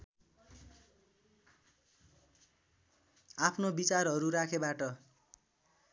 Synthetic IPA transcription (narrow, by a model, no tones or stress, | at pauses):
apʰnobit͡sarɦʌɾuɾakʰebaʈʌ